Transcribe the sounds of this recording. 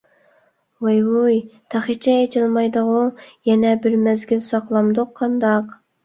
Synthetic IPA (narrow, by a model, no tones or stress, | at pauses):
wejwujt̪ʰæχit͡ʃʰɛet͡ʃʰilˠmɑjd̪əʁʊjɛnɛbɪɾmæzɡʲilsɑqlˠɑmd̪oqʰːɑnd̪ɑq